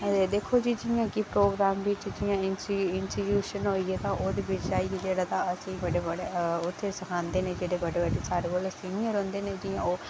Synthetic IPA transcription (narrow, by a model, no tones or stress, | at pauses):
ed̪eːkʰːoːd͡ʒiːd͡ʒɪjãːkipɾoːɡɾaːmʋɪt͡ʃd͡ʒɪjãːɪnɪnsijuːʃənɦoːiɛːt̪ãːʔoːd̪eːʋɪt͡ʃd͡ʒaːied͡ʒeːɽaːt̪ãːəsĩːbəɽeːbəɽeʊt̪ʰːeːsəkʰãːnd̪eːnẽːd͡ʒeːɽeːbəɽeːbəɖeːsaːɾeːkoːlesiːnɪjəɾɦõːnd̪eːneːd͡ʒɪjãːoː